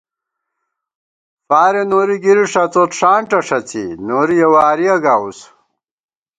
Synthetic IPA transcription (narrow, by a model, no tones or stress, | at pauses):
faːɾenoːɾiɡiɾiʂɐt͡sot̪ʂaːɳʈɐʂɐt͡sḭnoːɾijɐwaːɾiɐɡaːus